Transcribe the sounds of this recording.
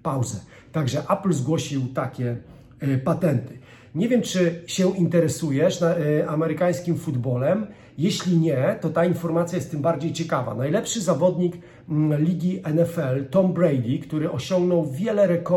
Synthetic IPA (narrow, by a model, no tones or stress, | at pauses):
pawzɛ | t̪aɡʐɛʔaplzɡwɔɕiwt̪akʲɛ | pat̪ɛnt̪ɘ̥ | ɲɛvʲjɛmt͡ʂɘɕɛʔint̪ɛɾɛsujɛʂaamɛɾɘkaj̃skʲimfud̪bɔlɛm | jɛɕlʲiɲɛt̪ɔt̪ainfɔɾmat̪sʲjajɛst̪ːɘmbaɾd͡ʑejt͡ɕɛkava̰najlɛpʂɘzavɔd̪ɲikːʲ | iɡʲiʔɛnɛfɛlt̪ɔmbɾɛjd̪ʲikt̪uɾɘʔɔɕɔŋɡnɔwvʲjɛlɛɾɛkɔ